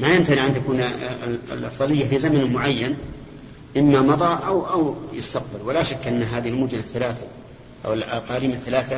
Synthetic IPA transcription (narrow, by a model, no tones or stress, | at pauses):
majɪmt̪aniʕant̪akuːn̰ | lʔɑ̰fðˤɑlɪjːafizamanmʊʕajːan | ʔɪmːamɑðˤɑːʔawʔawjɪst̪aqbɪlwɪlaʃakːʔanːɦaːðɪhɪlmʊd͡ʒnaθːalaːθa | ʔa̰wɪlʔa̰qɑːliːmaθːalaːθa